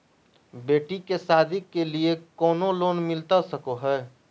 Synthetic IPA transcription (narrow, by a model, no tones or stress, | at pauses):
beːʈikesaːd̪ʱɪkːeliekɔːnoloːnmɪlt̪asəkoɦɛː